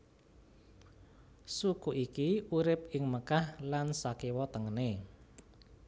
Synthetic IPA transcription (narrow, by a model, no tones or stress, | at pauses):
sukuʔikiuɾɪp̚ɪŋməkahlansakewɔt̪əŋəne